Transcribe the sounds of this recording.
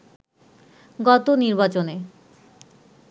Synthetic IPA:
ɡɔt̪oniɾbat͡ɕone

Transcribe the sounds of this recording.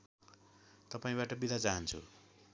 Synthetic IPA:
t̪ʌpaĩβaʈʌbid̪ʱat͡saɦʌnt͡sʰṵ

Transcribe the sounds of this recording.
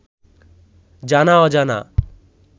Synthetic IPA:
d͡ʒanaɔd͡ʒana̰

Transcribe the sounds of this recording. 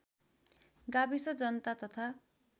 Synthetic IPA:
ɡabisʌd͡zʌnʌt̪at̪ʌt̪ʰa

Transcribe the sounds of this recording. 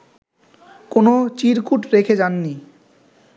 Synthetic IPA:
konot͡ɕiɾkuʈɾekʰed͡ʑanːi

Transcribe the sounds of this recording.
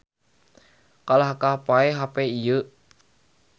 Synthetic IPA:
kalahkapaeɦapeijə

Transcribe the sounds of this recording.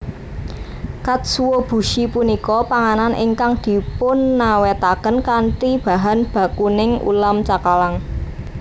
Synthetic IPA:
kat̪̚suwob̥ṳʃipunikɔpaŋananʔɪ̰ŋkaŋd̪̥i̤pʊnːawet̪akənkaɳʈib̥a̤ɦanb̥ä̤kunɪŋṵlamt͡ʃakalaŋ

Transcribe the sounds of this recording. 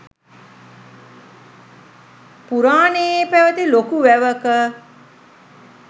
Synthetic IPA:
puɾaːnejepæʋət̪ilokuʋæʋəkə

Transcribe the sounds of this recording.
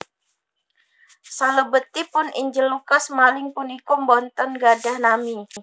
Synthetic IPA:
saləbət̪ipʊnḭɲd͡ʒɪlːukasmalɪŋpʊnikʊmbɔnt̪ɔnɡadahnami

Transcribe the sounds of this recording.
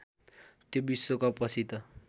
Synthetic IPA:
t̪jobisːokapʌsʰit̪ʌ

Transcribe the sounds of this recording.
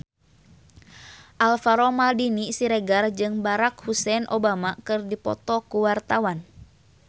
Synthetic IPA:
ʔalfaɾɔmaldinisiɾɛɡard͡ʒɨŋbaɾakhusɛnʔobamakɨrdipɔ̰t̪ɔkuwart̪awan

